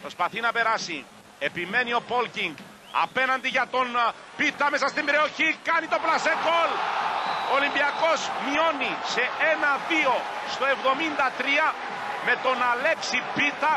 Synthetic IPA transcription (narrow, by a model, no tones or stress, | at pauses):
pɾo̞spɐθinɐpe̞ɾɐsi | e̞pime̞nio̞po̞lciŋɡ | ɐ̰pe̞nɐnd̪iʝɐt̪o̞n | pit̪ɐme̞sɐst̪imbɾeoçikɐnit̪o̞plɐsekol | olimbiɐko̞zmio̞nise̞e̞nɐðio̞ | st̪o̞e̞vðo̞mind̪ɐt̪ɾiɐ | me̞t̪o̞nɐle̞ksipit̪ɐ